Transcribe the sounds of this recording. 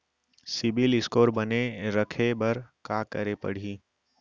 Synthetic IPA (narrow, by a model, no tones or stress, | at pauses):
sɪbɪlɪskoːɾbəneɾəkʰebəɾkaːkəɾepə̰ɽ̤iː